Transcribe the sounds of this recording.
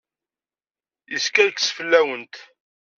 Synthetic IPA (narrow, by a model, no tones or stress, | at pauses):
jəskæɾksfəlːæwənt̪